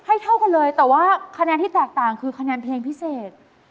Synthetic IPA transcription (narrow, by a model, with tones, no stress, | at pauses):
ha˥˩jt̪ʰa˥˩wka˧nlɤː˧jt̪ɛː˨˩waː˥˩kʰa˧nɛː˧nt̪ʰiː˥˩t̪ɛː˨˩k̚t̪aː˨˩ŋkʰɯː˧kʰa˧nɛː˧npʰleː˧ŋpʰi˦˥seː˨˩t̪̚